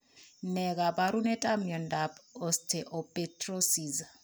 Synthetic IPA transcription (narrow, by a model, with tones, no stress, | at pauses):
nɛ˨ɡa˨baɾu˦nɛ˦tʼa˦mjɔ˨ndapɔ˨stʰe˨ʔɔ˨petro˦si˨za˨